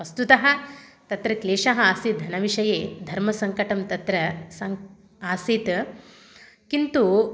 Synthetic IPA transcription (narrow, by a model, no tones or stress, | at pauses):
ɐst̪ut̪ɐɦɐ̆t̪ɐt̪ɾɐkleːʂɐɦɐaːsit̪̚d̪ʱɐnɐʋiʂɐjeːd̪ʱɐɾmɐsɐŋkɐʈɐmt̪ɐt̪ɾɐsɐŋ | aːsiːt̪ | kint̪u